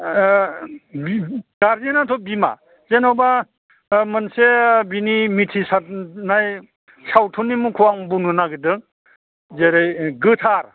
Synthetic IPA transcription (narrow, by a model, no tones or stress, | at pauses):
bɡ̥aɾzinatʰɔbima̰ | zenawba | mɯnsebinimitʰisat̚naj | sawtʰɔnːimukʰuwaŋbunɯnaɡɯdɯŋ | zeɾɯjɡɯtʰaɾ